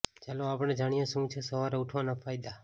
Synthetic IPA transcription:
t͡ʃaloapɽ̃ed͡ʒaɽ̃ijõʃũt͡ʃʰesəʋaɾeuʈʰonafajd̪a

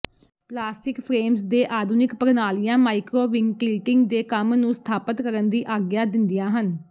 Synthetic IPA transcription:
plaːsʈɪkpʰɾeːmsd̪eːʔaːd̪uːnɪkpəɾnaːlijãːmaːikɾoːʋɪŋɡkɪːʈɪŋɡd̪eːkəmnũːst̪ʰaːpət̪kəɾənd̪iːʔaːɡjaːd̪ɪnd̪ɪjãːɦən

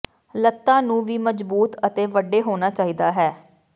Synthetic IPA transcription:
lət̪ːãːnũːʋiːməd͡ʒbuːt̪ət̪eːʋəɖeːɦoːnaːt͡ʃaːɦiːd̪aːɦɛː

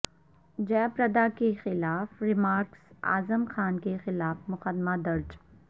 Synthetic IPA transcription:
d͡ʒɛːpɾɐd̪akexɪlaːfɾɪmaːɾksa̰ːzəmxaːnkexɪlaːfmʊxəd̪mad̪ɐɾd͡ʒ

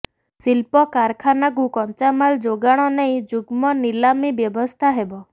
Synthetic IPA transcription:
silpɔkaɾkʰanaɡukɔnt͡ʃamald͡ʒoɡaɽ̃ɔnej̃d͡ʒuɡmɔnilamibjɔbɔst̪ʰaɦebɔ

